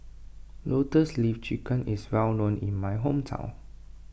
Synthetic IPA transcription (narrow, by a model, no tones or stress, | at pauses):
lotəslift͡ʃikʰə̃nʔiswɛlnõnḭ̃nmajɦõmtʰã̰ʊ̃n